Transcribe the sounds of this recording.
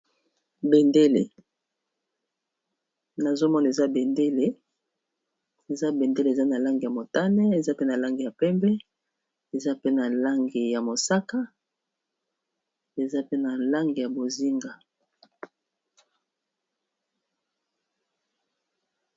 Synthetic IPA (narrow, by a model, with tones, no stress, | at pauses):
be˨nde˦le˨ | na˨zo˦mɔ˦na˨e˨za˦be˨nde˦le˨ | e˨za˦be˨nde˦le˨e˨za˦na˨la˦ŋɡi˨ja˨mo˨ta˦nɛ˦e˨za˦pe˦na˨la˦ŋɡi˨ja˨pɛ˦mbɛ˦ | e˨za˦pe˦na˨la˦ŋɡi˨ja˨mo˨sa˦ka˦ | e˨za˦pe˦na˨la˦ŋɡi˨ja˨bo˨zi˦ŋɡa˨